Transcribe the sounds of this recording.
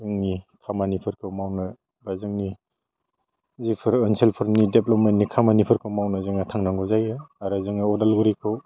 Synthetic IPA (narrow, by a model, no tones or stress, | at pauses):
zɯŋnikʰamanipʰɯɾkʰɯwmawnɯ | bazɯŋni | zipʰɯɾɯnselpʰɯɾnideplɔp̚mentnikʰamanipʰɯɾkʰɯwmawnazɯŋatʰaŋnaŋɡɔzajɯaɾɯzɯŋniɔdalɡɯɾikʰɯw